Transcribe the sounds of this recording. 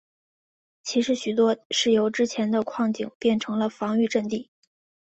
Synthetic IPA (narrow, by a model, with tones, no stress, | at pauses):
t͡ɕʰi˧˥ʂɻ̩˧˥ɕy˨˩t̪wɔ˥ʂɻ̩˥˩jo˧˥ʊʈ͡ʂɻ̩˥t͡ɕʰjɛ˧˥nd̪ə˧kʰwɑ˥˩ŋt͡ɕḭ˨˩ŋpjɛ˥˩nʈ͡ʂʰɤ˧˥ŋlə˧fɑ˧˥ŋy˥˧ʈ͡ʂə˥˧nt̪i˥˩